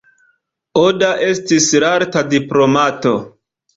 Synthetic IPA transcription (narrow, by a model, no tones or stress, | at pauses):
odaʔe̞stisɾaɾtadiplo̞mato̞